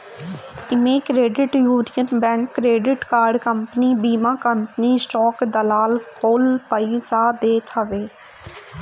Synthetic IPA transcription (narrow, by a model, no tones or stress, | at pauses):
ɪmẽːkɾeːɖɪʈjuːnijənbɛ̃ːŋkːɾeːɖɪʈkaːɾɖkəmpəniːbiːmaːkəmpəniːsʈɔːkd̪əlaːlkoːlpəisaːd̪eːt̪ʰəʋeː